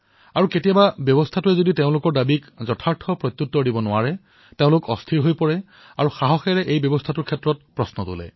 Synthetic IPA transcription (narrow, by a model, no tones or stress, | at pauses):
aɹuketijababjɔbɔstʰatʊɛzoditeʊ̃lʊkɔɹdabikzɔtʰaɹtʰɔpɹɔt̪jutːɔdibɔnʊaɹɛ | teʊ̃lʊkɔstʰiɹɦojpɔɹɛ | a̰ɹuxaɦɔxɛɹɛʔejbjɔbɔstʰatʊɹkʰɛtɹɔt̚pɹɔsnɔtṵlɛ̰